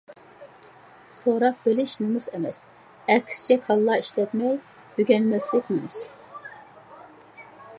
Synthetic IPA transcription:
soɾɑq̚bɪlɪʃnɨmɨzɛmɛs | ɛkʲst͡ʃʰɛkʰɑlˠːɑːiʃlɛt̪mɛj | hyɡʲɛnmɛslɪkʲnɨmɨs

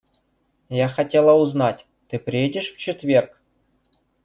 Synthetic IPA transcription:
jaxatʲelˠəuznatʲ | t̪ɨpɾʲijedʲɪʂft͡ɕɪt̪vʲerk

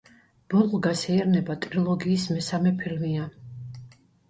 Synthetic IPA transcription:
b̥ɔlˠʁɡasɛɛɾnɛbat̪ʼɾilˠɔɡiːsmɛsamɛpʰilmia

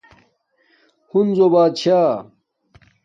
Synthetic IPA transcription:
hunzobaːd̪̚t͡ɕʰaː

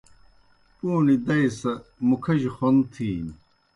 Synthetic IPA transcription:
puːnid̪ɐjsɐmukʰɐʑixont̪ʰiːn

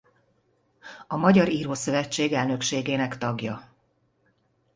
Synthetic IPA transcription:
ɒmɒɟɒɾiːɾoːsø̞vɛt͡ʃːeːɡɛlnø̞kʃeːɡeːnɛkt̪ɒɡjɒ

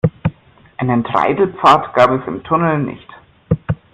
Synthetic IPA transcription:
ʔaɪnəntʁ̥a̰ɪdl̩pp͡faːɐtɡ̥aːpɛsɪ̰mtʰʊnl̩nɪ̰çt

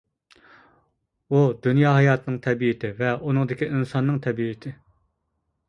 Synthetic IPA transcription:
ud̪ynjɑːɦɑjɑːt̪ʰɨnɨŋt̪ʰɛbiɪt̪ʰɪvɛʔunɨŋd̪ɪkʲiʔinsɑnːɨŋt̪ʰɛbiɪt̪ʰɪ

